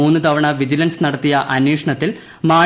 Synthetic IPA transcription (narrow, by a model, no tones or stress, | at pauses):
uːnːɨt̪ɐʋɐɳɐʋid͡ʑilɐnsnɐɽɐt̪ːijɐʔɐnjeːʂɐɳɐt̪ːil | maː